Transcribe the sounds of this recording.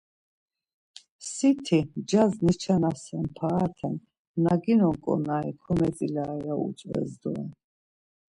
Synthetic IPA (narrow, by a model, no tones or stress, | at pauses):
sit̪ʰid͡ʒaznit͡ʃʰanasɛmpʰaːt̪ʰɛn | naɡinɔŋkʼɔ̰naikʰɔmɛt͡sʼilaːjaṵt͡ʃʼvɛ̰zd̪ɔɛn